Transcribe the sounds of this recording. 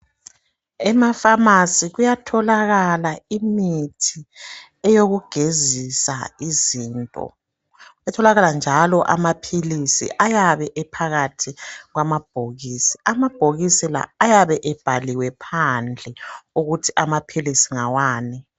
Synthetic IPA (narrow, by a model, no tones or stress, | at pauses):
ɛmafamasiɣujatʰɔlaɣalaimitʰi | ɛjoɣuɡ̥ʱezisaiziːntʼɔ̰ | ɛtʰɔlaɣaland͡ʒʱalɔʔamapʰilisḭʔajaβɛʔɛpʰaɣatʰiɣwamab̥ʱoɣiːsi̥amab̥ʱoɣisila̰ːjaβɛʔɛb̥ʱaliwɛpʰand͡ɮʱɛuɣutʰiamapʰilisiŋawaːni